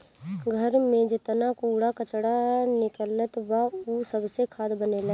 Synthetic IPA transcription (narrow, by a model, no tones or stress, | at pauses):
ɡʱəɾmẽd͡ʒɪt̪nakuːɽakət͡ʃɽanɪkələt̪bausəbsekʰaːd̪bənela